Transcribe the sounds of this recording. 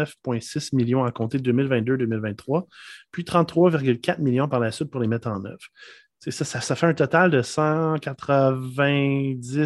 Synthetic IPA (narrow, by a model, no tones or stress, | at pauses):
fpwɛ̃sɪsmiljɔ̃akɔ̃t̪ed̪øːmɪlvɛ̃t̪̚d̪ød̪øːmɪlvɛ̃t̪ːχwapɥit̪χɑ̃t̪ːχwavɪʁɡʲylkʲat̪miljɔ̃paʁlasɥɪt̪̚pʊʁlemɛt̪χɑ̃ːnœ̰vʁ | sesasasafɛɛ̃t̪ɔt̪ald̪əsɑ̃kʲat̪χəvɛ̃d͡zɪ